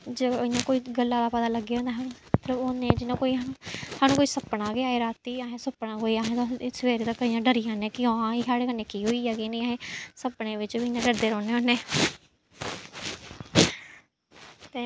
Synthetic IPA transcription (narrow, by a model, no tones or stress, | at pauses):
d͡ʒeɪjãːkoːiːɡəlːãːd̪aːpət̪aːləɡːeõːnd̪aːɦanũː | t̪ləonẽːd͡ʒɪnãːkoːiːanũːhaːnũːkoːiːsəpːɳaːɡeaːeːɾaːt̪iːaːɦẽːsəpːɳãːkoːiːaːɦẽːt̪õsʋeːɾeːt̪əkːəijãːɖəɾɪjãːnẽːkɪõãːiːkaːɽeːkəneːkiːɦoːiːaːɡeːneaɦẽːsəpɳeːʋɪt͡ʃʋiɪnãːɖəɽd̪eːɾɔːneːoneː | t̪eː